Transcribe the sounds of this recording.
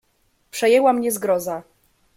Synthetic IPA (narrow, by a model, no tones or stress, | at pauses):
pʂɛjɛwamɲɛzɡɾɔza